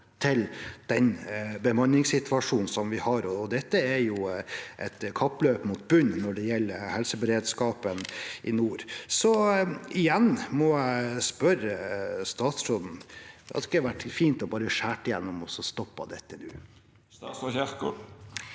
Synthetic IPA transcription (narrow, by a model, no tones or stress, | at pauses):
t̪ʰɪld̪̥ɛnbəmɑnːɪŋsɪt̪ʰʋɑʂuːnn̩sɔmʋɪhɑɾɔːd̪ɛt̪ːəæɾjʊʔɛ̰t̪kʰɑpːløːpmut̪̚bʉnnɔɖɛjɛlːəɾhɛlsəbəɾeːd̪skɑːpənʔɪnuːɾsɔɪjɛnːmɔæɪspœɾəst̪ɑːt̪sɾoːd̪n̩ɑ̰t̪kːəʋæʈːfiːnt̪ɔbɑːɾəʂæːʈɪjɛ̰nːɔmɔsɔst̪ɔpːɑ̰d̪ɛt̪ːənʉ̰ː | ɔçæk